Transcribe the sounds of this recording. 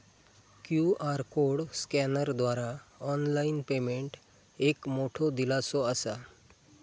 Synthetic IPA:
kjuaɾkoɽskɛnəɾd̪ʋaɾaɔnlainpemeɳʈ | ekmoʈʰɔd̪ilat͡sɔəsa

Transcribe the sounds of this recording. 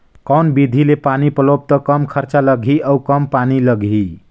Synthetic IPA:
kəʊnbid̪ʱilepanipəlob̚t̪əkəmkʰəɾt͡ʃaləɡʱiʔəukəmpaniləɡʱi

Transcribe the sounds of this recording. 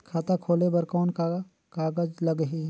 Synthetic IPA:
kʰaːt̪akʰoːlebɐɾkɔːnka | kaːɡəd͡ʒlɐɡɦiː

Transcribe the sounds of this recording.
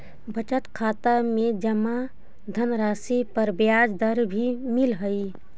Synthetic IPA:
bət͡ʃət̪kʰaːt̪amed͡ʒəma | d̪ʱənɾasipəɾbjad͡ʒd̪əɾbʱimilɦəi

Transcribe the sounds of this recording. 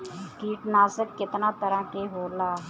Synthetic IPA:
kiːʈnaːsəkːɪt̪nat̪əɾãkeɦoːlaː

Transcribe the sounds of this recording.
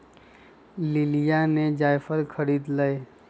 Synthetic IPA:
lilijaned͡ʒajpʰəɾkʰəɽid̪ləj

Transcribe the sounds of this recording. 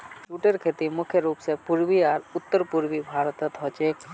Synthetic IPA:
ʈuʈeɾkʰet̪imʊkʰjəɾuːpsepuɾbiaːɾʊt̪ːəɾpuɾbibʱaːɾət̪ət̪ɦɔt͡ʃeːk

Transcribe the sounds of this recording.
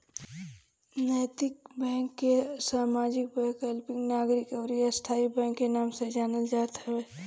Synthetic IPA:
nəːt̪ɪkbɛ̃ːŋkːesaːmaːd͡ʒɪk̚bɛːkəlpɪ̃ŋɡnaːɡɾɪkəɾist̪ʰaːibɛ̃ːŋkːenaːmsed͡ʒaːnəd͡ʒaːt̪ɦɛeː

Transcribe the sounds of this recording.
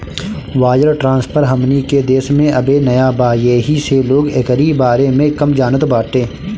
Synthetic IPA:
ʋaːjəɾʈɾãːnspʰəɾɦɐmniked̪eːsmẽʔɐbenɐjabaːjeːɦiseloːɡeːkəɾibaːɾemẽkɐmd͡ʒaːnət̪obaːʈ̪ẽː

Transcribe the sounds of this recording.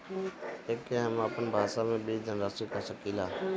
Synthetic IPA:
eːkẽɦəməpənbʱaːʃaːmẽːbiːd͡ʒ̪ənɾaːsikaːʃəkiːlaː

